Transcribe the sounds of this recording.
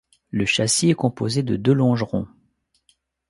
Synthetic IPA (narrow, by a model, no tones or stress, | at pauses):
ləʃasiɛkɔ̃po̰zed̪əd̪ølɔ̃ʒʁɔ̰̃